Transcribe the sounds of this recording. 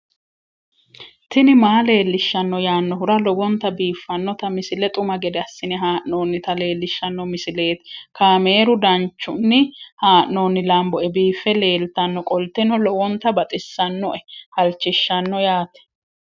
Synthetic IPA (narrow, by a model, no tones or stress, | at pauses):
t̪ɪnɪmaːle̞ːlːɪʃːɐnːɔjaːnːɔɦʊɾɐlɔwɔnt̪ːɐbiːfːɐnːɔt̪ɐmɪsɪlɛt̪ʼʊmɐɡɛd̪ɛɐsːɪnɛɦaːʔno̞ːnːɪt̪ɐle̞ːlːɪʃːɐnːɔmɪsɪle̞ːt̪kaːme̞ːɾʊd̪ɐnt͡ʃːʊnːɪhaːʔno̞ːnːɪlɐmbɔɛbiːfɛle̞ːlt̪ɐnːɔkʼɔlt̪ɛnɔlɔwɔnt̪ɐbɐt̪ʼɪsːɐnːɔʔɛhɐlt͡ʃːɪʃːɐnːɔjaːt̪ɛ̥